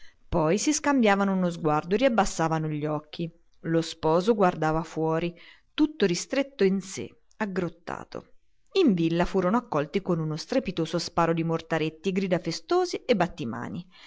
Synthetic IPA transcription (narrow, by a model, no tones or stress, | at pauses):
pɔjsiskambjaːvanounozɡward̪oeriabːasːaːvanoʎːɔkːi | lospɔːzoɡward̪aːvafwɔːɾi | t̪ut̪ːoɾist̪ɾet̪ːoinsḛ | aɡɾot̪ːa̰ːt̪o̰ | iɱvilːafuːɾonoakːɔlt̪ikonunost̪ɾepit̪oːzoaspaːɾod̪imort̪aɾet̪ːiɡɾiːd̪afest̪oːziebːat̪ːima̰ːni